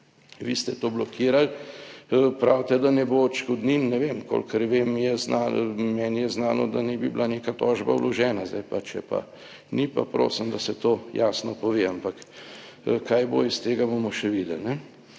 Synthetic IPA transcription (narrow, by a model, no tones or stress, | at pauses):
ʋist̪ɛt̪oːblɔkʰiːɾal | pɾawt̪ɛd̪anɛbot͡ʃkod̪ninnɛʋemko̰lkəɾʋeːmjɛznamɛːnijɛznaːnɔd̪anɛbiblʔaneːkat̪ɔːʒba̰wlɔʒɛːnazd̪a̰jpat͡ʃɛpa̰ | nipapɾo̰ːsəmd̪asɛt̪oːjaːsnɔpɔʋeampak | kajbo̰ist̪eːɡabomɔʃɛʋid̪ɛlnɛ